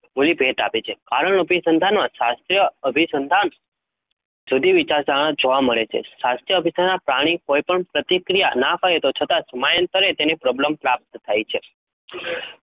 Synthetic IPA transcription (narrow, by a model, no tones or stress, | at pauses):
mulibʱeʈa̰pet͡ʃʰekaɾəɳəbʱisənd̪ʱanmãʃast̪ɾjəəbʱisənd̪ʱan | sud̪ʱiʋit͡ʃaɾsaɽ̃ad͡ʒoʋaməɭet͡ʃʰḛʃast̪ɾjəbʱisəanapɾaɽ̃ikoipəɳpɾət̪ikɾijanafʰajet̪ot͡ʃʰət̪asəmajənt̪əɾet̪enepɾɔbləmpɾap̚t̪ət̪ʰajt͡ʃʰe